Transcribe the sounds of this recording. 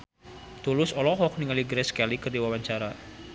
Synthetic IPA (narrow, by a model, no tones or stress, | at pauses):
t̪ulʊsɔlɔɦɔk̚niŋaliɡɾɛskalikərdiwawaɲt͡ʃaɾa